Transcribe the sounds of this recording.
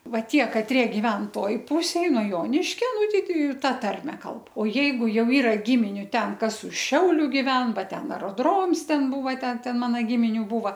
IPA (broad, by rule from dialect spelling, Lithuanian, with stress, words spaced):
ˈʋɐ ˈtʲiɛ kɐˈtʲrʲiɛ ɡʲɪˈʋʲɛn ˈtoːj ˈpʊsʲeːj nuɔ ˈjoːnʲɪʃʲkʲoː ˈnʊ ˈtʲɛɪ ˈtʲɛɪ ˈtɐ ˈtɐrʲmʲɛ ˈkɐlˠp oː ˈjɛɪɡʊ ˈjɛʊ ˈiːrɐ ˈɡʲɪmʲɪnʲʊ ˈtʲɛn ˈkɐs ʊʃ ˈʃʲɛʊlʲʊ ɡʲɪˈʋʲɛn ˈbɐ ˈtʲɛn ɐroːˈdroːms ˈtʲɛn ˈbuːʋɐ ˈtʲɛn ˈtʲɛn ˈmɑːnɐ ˈɡʲɪmʲɪnʲʊ ˈbuːʋɐ